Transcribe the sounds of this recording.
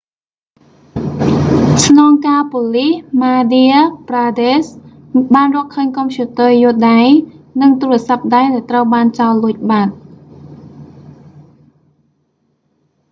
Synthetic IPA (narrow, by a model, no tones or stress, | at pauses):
snɑːŋkaːpolihmaːɗiəpraːdes | ɓaːnrŏəkʰəːɲkompʰjut̪əːoːtɗajnɨŋt̪uːrə̆sap̚ɗaɛjɗaɛlt̪rəwɓaːnt͡ɕaɔlːuəc̚ɓaːt̪̚